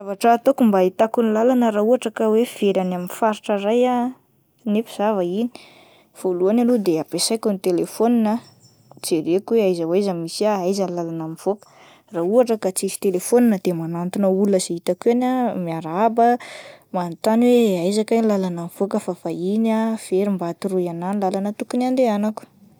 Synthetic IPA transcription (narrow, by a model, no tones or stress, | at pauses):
avaʈ͡ʂət̪okumbait̪akunilalanəɾauaʈ͡ʂakəwev̥eɾanaminfaɾiʈ͡ʂəraja | nefiz̥avəini̥ | v̥oluanalod̪eapesajkunit̪elefoninə | t͡seɾekweajzəwajzəmisiaajzənilalanamiv̥okə̥ | rauaʈ͡ʂakat͡sisi̥t̪elefoninəd̪̥emanant̪unauləz̥eit̪akuanamiaɾabəmant̪anweajzakajnlalanamiv̥okəfafainafeɾimbat̪iruiananilalanət̪ukunand̪eanaku̥